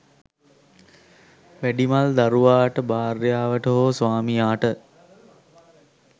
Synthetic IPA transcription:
ʋæɖimald̪aɾuʋaːʈəbaːrjaːʋəʈəɦoːsʋaːmijaːʈə

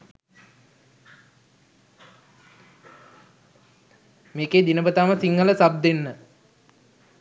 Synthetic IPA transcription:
meːkeːd̪inəbət̪aːməsiŋːələsab̚d̪enːə

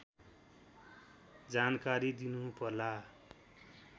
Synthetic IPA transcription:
d͡zankaɾid̪inupʌrla

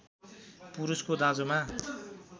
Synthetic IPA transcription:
puɾuskod̪ãd͡zoma

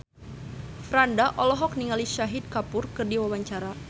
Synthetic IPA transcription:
fɾandaʔɔlɔɦɔk̚niŋaliʃaɦid̪̚kapʊrkɨrdiwawaɲt͡ʃaɾa

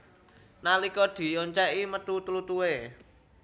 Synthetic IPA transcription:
nalikɔd̪̥i̤joɲt͡ʃɛʔimət̪ut̪ulut̪uwe

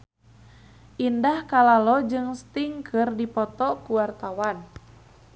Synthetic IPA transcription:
ʔindahkalalɔd͡ʒɨŋst̪iŋkʰɨrdipɔt̪ɔkuwart̪awan

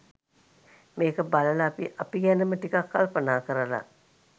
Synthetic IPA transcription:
meːkəbaləlaːpiʔapiɡænəməʈikakːalpənaːkəɾəla̰

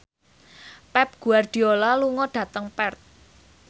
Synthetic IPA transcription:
pɛp̚ɡ̥ṳard̪̥i̤olaluŋɔɖ̥ä̤t̪əŋpɛrt̪̚

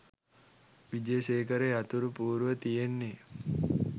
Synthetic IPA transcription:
ʋid͡ʒejəʃeːkəɾeat̪uɾupuːɾuʋət̪ijenːe

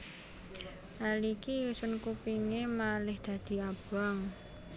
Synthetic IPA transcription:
ʔalikiusʊnkupiŋemalɪhd̪̥ä̤d̪̥i̤ab̥aŋ

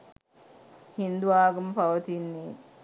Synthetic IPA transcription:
hind̪uʋaːɡɐmpɐʋɐt̪inːiː

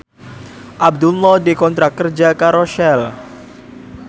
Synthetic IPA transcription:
ʔab̚d̪ulːɔdekɔnt̪ɾakərd͡ʒakaɾɔʃɛl

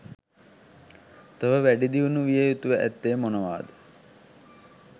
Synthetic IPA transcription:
t̪əʋəʋæɖid̪iunuʋijəjut̪uʋəʔæt̪ːeːmonəʋa̰ːd̪ə

